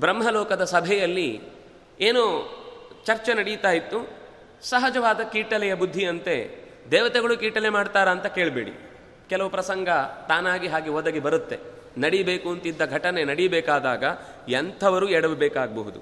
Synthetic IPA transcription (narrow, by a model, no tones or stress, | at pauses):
bɾɐmɦɐlɔːkɐd̪ɐsɐbʱɛjɐlːi | eːnu | t͡ʃɐɾt͡ʃenɐɽijt̪aːjit̪ːu | sɐɦɐd͡ʒɐʋaːd̪ɐkiːʈɐlɛjɐbud̪ʱːiɐnt̪e̞ | d̪ɛːʋɐt̪ɛɡɐɭukiːʈɐlemaːɖt̪aːɾɐːnt̪ɐke̞ːɭbeːɽḭ | kɛlɐʋupɾɐsɐŋɡɐt̪aːnaːɡiɦaːɡiʋɔd̪ɐɡebɐɾut̪ːe̞ | nɐɽibeːkuɐnt̪id̪ːɐɡʱɐʈɐne̞nɐɽijɐbɛːkaːd̪aːɡɐ | ɐnt̪ʰɐʋɐɾuɛɽɐʋbɛːkaːɡɐbɐɦud̪u